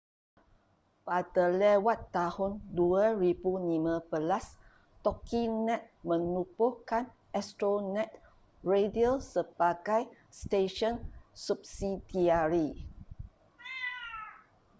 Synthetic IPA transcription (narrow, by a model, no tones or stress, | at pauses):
padalɛwat̪ːahʊnduaɾibunimə̃bəlas | t̪ɔkʰinɛ̃t̪̚mə̃nupuhkan | ɛst̪ɾonɛ̃t̪̚ | ɹedialsəb̥aɡaj | steʃɔnsup̚sidiaɾi